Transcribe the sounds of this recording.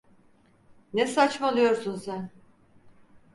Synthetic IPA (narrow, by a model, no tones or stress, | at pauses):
nesat͡ʃmalˠujo̞ɾsunsæn